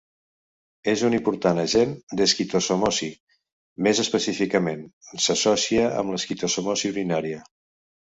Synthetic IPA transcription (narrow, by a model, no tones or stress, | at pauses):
ezunimpuɾt̪anəʒend̪əskit̪osomosi | mezəspəsifikəmensəsɔsiəə̰mləskit̪osomosiuɾinaɾiə